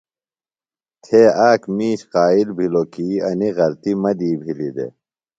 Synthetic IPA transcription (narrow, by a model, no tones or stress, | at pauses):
t̪ʰeːaːkmiːɕqaːilbʱilokiːɐniɣɐlt̪imɐd̪iːbʱilid̪ḛ